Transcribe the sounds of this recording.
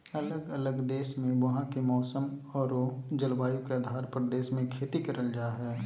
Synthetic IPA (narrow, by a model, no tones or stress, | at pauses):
ɐləɡɐləɡd̪eːʃmẽʋɐɦãkimɔːsəmɔːɾoːd͡ʒɐlʋaːjũkeəd̪ʱaːɾpɾd̪eːʃmẽkʰeːt̪ikɐɾʔəld͡ʒaːɦɛː